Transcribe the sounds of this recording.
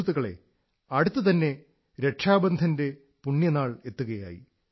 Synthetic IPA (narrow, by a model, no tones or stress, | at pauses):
t̪ːuɣɐɭe̞̰ | ɐɽut̪ːɨt̪ɐnːe̞ | ɾe̞ʈʂaːbɐnd̪ʱɐnde̞ | puɳːjɐnaːɭe̞t̪ːuɣɐja̰ːjḭ